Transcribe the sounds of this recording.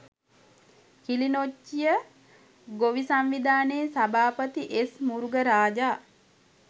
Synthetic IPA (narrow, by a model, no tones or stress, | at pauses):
kilinot͡ʃːijə | ɡoʋisamʋid̪aːneːsabaːpət̪iʔesmuɾuɡəɾaːd͡ʒaː